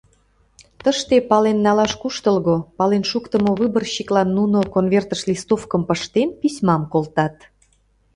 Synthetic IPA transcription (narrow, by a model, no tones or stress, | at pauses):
t̪əʃt̪epɑlenːɑlɑʃkuʃt̪əlɣopɑlenʃukt̪əmoβɨbərɕiklɑnːunokonvert̪əʃlʲist̪ofkəmpəʃt̪enpisʲmɑmkolt̪ɑt̪